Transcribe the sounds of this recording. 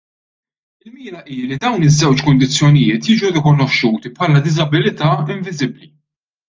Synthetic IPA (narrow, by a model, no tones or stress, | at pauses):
ɪlmiːnɐʔiːlid̪ɐwnɪzːɛwt͡ʃkʊnd̪ɪt͡sːjɔnɪjɪːt̪jiːd͡ʒuɾɪkɔnɔʃːuːt̪ipħɐlɐd̪ɪzɐbɪlɪt̪ɐːɪɱvɪzɪbli